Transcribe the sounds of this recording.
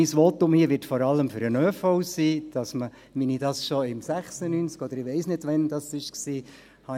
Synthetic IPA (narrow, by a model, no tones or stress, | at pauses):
iːsʋɔtʊmhiəʋɪɾtfɔɾɑlːəmfʏɾənøːfɔʊsiːd̥ɑsmə | minidɑsʃɔɪmsæχsənyːnt͡skɔd̪əɾɪʋɛɪsnɪtʋɛnd̥ɑsɪʃksiː | hɑ